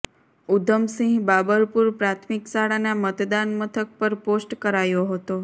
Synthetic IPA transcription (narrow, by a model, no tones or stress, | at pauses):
ud̪ʱəmsĩɡbabəɾpuɾpɾat̪ʰmiksaɽanamət̪d̪anmət̪ʰək̚pəɾposʈkəɾajoɦət̪o